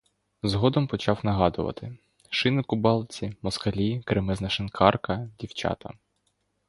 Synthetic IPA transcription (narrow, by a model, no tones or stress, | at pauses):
zɦɔd̪ɔmpɔt͡ʃɑwnɐɦɑd̪ʊʋɐ̰t̪ɪ | ʃɪnɪkʊbɑlˠt͡sʲimɔskɐlʲikɾemɪznɐʃɪnkʰɑrkɐdʲiwt͡ʃɑ̰t̪ɐ̰